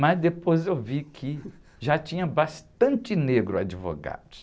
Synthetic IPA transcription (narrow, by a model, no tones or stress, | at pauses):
mɐzd̪epojzewvikʰɪ | ʒat͡ʃĩɲɐbast̪ɐ̃t͡ʃɪneɡɾʊa̰d͡ʒivo̰ɡa̰d̪ʊ